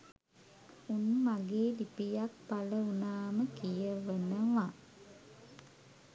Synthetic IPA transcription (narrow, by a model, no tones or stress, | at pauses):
unmaɡeːlipijak̚paləunaːməkijəʋənəʋa